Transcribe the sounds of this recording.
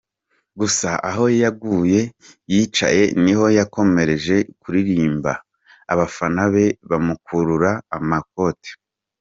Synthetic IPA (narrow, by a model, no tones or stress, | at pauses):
ɡusaʔaɦo̞jajaɡuːje̞ | jit͡ʃa̰je̞niho̞jako̞me̞ɾe̞ʒe̞kuɾiɾiːmba̰ː | βafanaβe̞βamukuɾuɾaːmak̚o̞te̥